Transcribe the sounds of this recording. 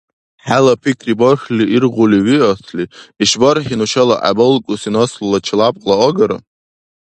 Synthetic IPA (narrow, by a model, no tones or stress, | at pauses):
ħalapʰikʰriborχʲliirʁʷuliɥiasʰliiʃbarħinuʃalaʔa̰bɨlkʷʼusinoslulat͡ʃʰlapʼqʼlaoɡaɾa̰